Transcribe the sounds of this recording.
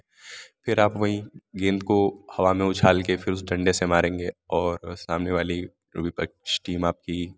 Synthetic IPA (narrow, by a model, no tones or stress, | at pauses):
fʰɪɾaːpʋɐɦĩɡẽːnd̪kohɐʋamẽʊt͡ʃʰaːlkefʰɪɾʊsɖɐ̃ɳɖesemaːɾẽːŋɡeːɔːɾsaːmneʋaːli | ɾʊ̰bipɐ̰sʈiːmaːp̚ki